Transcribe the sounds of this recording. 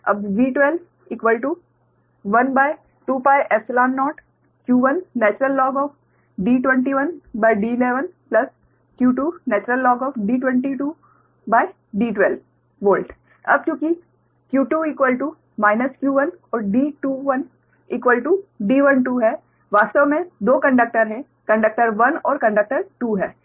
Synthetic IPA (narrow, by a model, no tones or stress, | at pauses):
ɐ̰bʋiːʈʋɛl | iːkʋəlʈu | ʋɐnbaːɪ | ʈuːpaːɪʔɛslaːnːɔːʈ | kjuːʋɐnːɛːt͡ʃɾəlːɔːɡɔːf | ɖiːʈʋɛ̃ɳʈiʋɐnbaːɪɖiːɪleːʋənplɐs | kjuːʈuːnɛːt͡ʃɾəlːɔːɡɔːfɖiːʈwɛ̃ɳʈiʈuː | baːɪ | ɖiːʈwɛːl | boːlʈ | ɐ̰b̚kõːki | kjuːʈuːiːkwəlʈu | maːɪnəskjuːʋənɔːɾɖiːʈuːʋɐn | iːkʋəlʈuɖiːʋɐnʈuːɦɛː | ʋaːst̪əʋmẽd̪oːkɐ̃ɳɖək̚ʈəɾɦɛ̃ | kɐ̃ɳɖək̚ʈəɾʋɐnɔːɾkɐ̃ɳɖək̚ʈəɾʈuːɦɛː